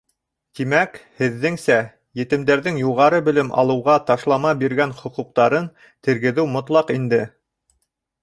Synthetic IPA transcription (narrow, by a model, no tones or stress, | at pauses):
t̪imækhɘ̆ðːɘŋsæ | jɘ̆t̪ɘ̆md̪æɾðɘŋjuʁɑɾɤbɘ̆lɘmʔɑ̰lˠɤ̆wʁɑt̪ɑʃlˠɑmɑbiɾɡænχŏquq̚t̪ɑɾɤn | t̪ɘ̆ɾɡɘ̆ðɘwmŏt̪lˠɑqind̪ɘ